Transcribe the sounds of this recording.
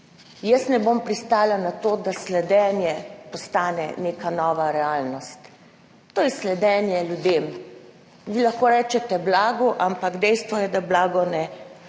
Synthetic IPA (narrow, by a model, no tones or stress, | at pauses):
jəsnɛbompɾist̪aːlanat̪oːd̪aslɛd̪ɛːnjɛpɔst̪aːnɛ̰nekanɔːʋaɾɛaːlnɔst̪ː | oːjɛslɛd̪ɛːnjɛljud̪eːm | ʋilaxkoːɾɛːt͡ʃɛt̪ɛblaːɡuʔampaɡd̪ɛjst̪ʋɔjɛd̪ablaːɡɔnɛ